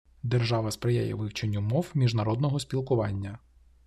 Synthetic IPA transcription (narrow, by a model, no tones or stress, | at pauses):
d̪erʒɑʋɐspɾeja̰jɛ̰ʋɪwt͡ʃenʲːʊmɔwmʲiʒnɐɾɔd̪nɔɦɔsʲpʲilˠkʊʋɑnʲːɐ